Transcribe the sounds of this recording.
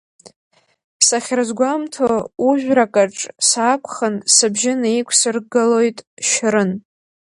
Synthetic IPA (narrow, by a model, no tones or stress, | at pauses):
saχʲrɨzɡʷamtʰouʒᶣʷrakʼaʈ͡ʂʼsaːkʷʰʼχənsɨbʒɪnaikʷʰsɨrɡɨlo̞jtʼʃɾɨn